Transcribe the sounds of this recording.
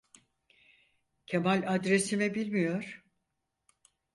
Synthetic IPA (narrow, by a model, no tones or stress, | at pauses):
cʰemalʲad̪ɾesimɛbilʲmijo̞ɾ̥